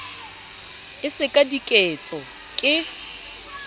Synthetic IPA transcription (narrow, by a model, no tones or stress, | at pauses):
ɪsɪkʼadikʼet͡sʼɔ | kʼɪ